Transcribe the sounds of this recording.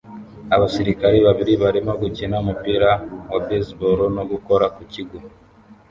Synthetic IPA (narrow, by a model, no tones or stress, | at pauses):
aβasiɾikaɾiβaβiɾiβaɾimo̞ɡucinaumupiɾawabesboɾonoɡukoɾakuciɡu